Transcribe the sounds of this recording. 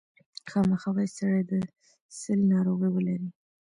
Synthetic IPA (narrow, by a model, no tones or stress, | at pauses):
xɑməxɑwajsaɽajd̪ə | səlinɑɾoɣəjwəlaɾi